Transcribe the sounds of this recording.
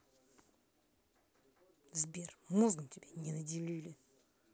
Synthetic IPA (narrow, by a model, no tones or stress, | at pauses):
zbʲermozɡəmtʲɪbʲenʲɪnɐdʲɪlʲilʲɪ